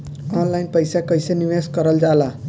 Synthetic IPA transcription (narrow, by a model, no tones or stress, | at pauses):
ɔnlajnpəjsakəjseniʋeskʌɾəld͡ʒala